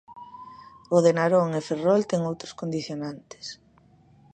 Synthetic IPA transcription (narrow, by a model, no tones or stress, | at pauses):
ʊðenaɾoŋeferɔlt̪ɛŋowt̪ɾoʊskond̪iθjonant̪ɪ̥s